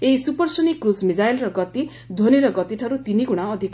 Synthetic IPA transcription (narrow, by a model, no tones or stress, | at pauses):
eisupʌrsunikrusmid͡zajlrʌɡʌt̪i | d̪ʱoniɾʌɡʌt̪iʈʰʌɾut̪iniɡuɽ̃aʌd̪ʱik